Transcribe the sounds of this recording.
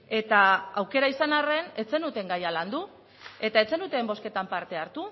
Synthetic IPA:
e̞t̪aawke̞ɾaisanare̞ne̞t͡se̞nut̪e̞ŋɡajaland̪u | e̞t̪ae̞t͡se̞nut̪e̞mbo̞ske̞t̪ampaɾt̪e̞aɾt̪u

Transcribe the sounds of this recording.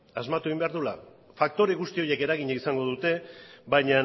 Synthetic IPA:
azmat̪ueimbe̞aɾðula | fak̚t̪o̞ɾe̞ɣust̪io̞je̞ke̞ɾaɣ̞iɲaisaŋɡo̞ðut̪e̞βajɲa

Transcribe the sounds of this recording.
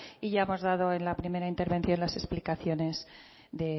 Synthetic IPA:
iʝaemo̞zðað̞o̞e̞nlapɾime̞ɾaint̪e̞ɾβe̞nθjo̞nlase̞splikaθjo̞ne̞z | ðe̞

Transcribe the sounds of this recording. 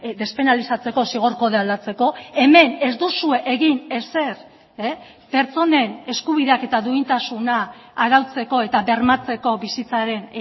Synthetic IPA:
d̪e̞spe̞nalisat͡se̞ko̞siɣ̞oɾko̞ðeald̪at͡se̞ko̞e̞me̞ne̞zd̪usue̞ʔeɣine̞se̞ɾ | pe̞ɾt͡so̞ne̞ne̞skuβ̞iðe̞ake̞t̪aðuint̪asunaːɾawt͡se̞ko̞e̞t̪aβe̞ɾmat͡se̞ko̞bisit͡saɾe̞n

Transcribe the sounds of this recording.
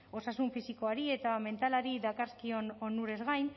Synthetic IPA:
o̞sasuɱfisiko̞aɾie̞t̪ame̞nt̪alaɾiðakaskiononuɾe̞zɣajn

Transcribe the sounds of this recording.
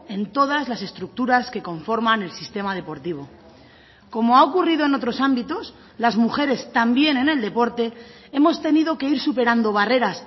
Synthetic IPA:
e̞nt̪o̞ðazlase̞st̪ɾuk̚t̪uɾaske̞ko̞ɱfo̞ɾmane̞lsist̪e̞mað̞e̞po̞ɾt̪iβ̞o̞ | ko̞moaokuriðoe̞no̞t̪ɾo̞sambit̪o̞s | lazmuxe̞ɾe̞st̪ambje̞ne̞ne̞ld̪e̞po̞ɾt̪e̞ | e̞mo̞st̪e̞nið̞o̞ke̞iɾsupe̞ɾand̪o̞β̞are̞ɾas

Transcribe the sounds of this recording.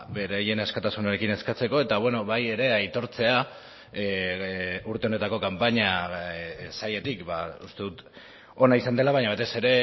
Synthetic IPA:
be̞ɾaje̞neskat̪asunaɾe̞kine̞skat͡se̞ko̞e̞t̪aβwe̞no̞βaje̞ɾe̞ajt̪o̞ɾt͡se̞a | uɾt̪eo̞ne̞t̪ako̞kampaɲa | saje̞t̪ikbaṵst̪eðut̪ | o̞naisand̪e̞laβaɲaβ̞at̪e̞se̞ɾe̞

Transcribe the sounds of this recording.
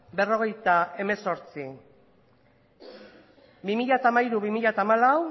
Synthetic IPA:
be̞ro̞ɣ̞e̞jt̪ae̞me̞so̞ɾt͡si | bimiʎat̪aːmaiɾuβimiʎat̪aːmalaw

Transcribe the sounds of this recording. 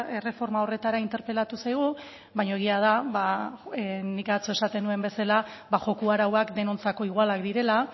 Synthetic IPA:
e̞re̞fo̞ɾmao̞re̞t̪aɾaint̪e̞ɾpe̞lat̪usajɣ̞u | βajɲo̞eɣiað̞aβa | nikat͡so̞e̞sat̪e̞nue̞mbe̞salaβaʝo̞kuaɾawakd̪e̞no̞nt͡sako̞iɣ̞walakd̪iɾe̞la

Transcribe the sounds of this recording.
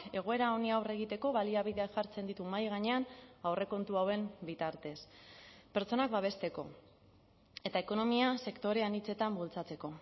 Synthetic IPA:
e̞ɣ̞o̞e̞ɾao̞niawre̞ɣ̞it̪e̞ko̞βaliaβ̞iðe̞aʝaɾt͡se̞nd̪it̪umajɣ̞aɲe̞anawre̞ko̞nt̪uawe̞mbit̪aɾt̪e̞spe̞ɾt͡so̞nak̚baβ̞e̞st̪e̞ko̞̰ | e̞t̪aeko̞no̞miase̞kt̪o̞ɾe̞anit͡se̞t̪ambult͡sat͡se̞ko̞

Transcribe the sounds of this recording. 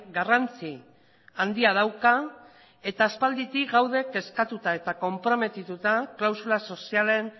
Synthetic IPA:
ɡarant͡si | and̪iað̞awka | e̞t̪aːspald̪it̪iɣawðe̞ke̞skat̪ut̪ae̞t̪ako̞mpɾo̞me̞t̪it̪ut̪aklawsulaso̞siale̞n

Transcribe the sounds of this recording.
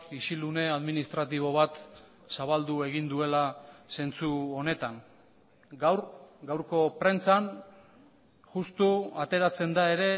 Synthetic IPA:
isilune̞aðminist̪ɾat̪̬iβ̞o̞βat̪ | saβald̪ue̞ɣ̞ind̪ue̞lase̞nt͡suo̞ne̞t̪aŋ | ɡawɾɡawɾko̞pɾe̞nt͡san | ʝust̪uat̪e̞ɾat͡se̞nd̪ae̞ɾe̞

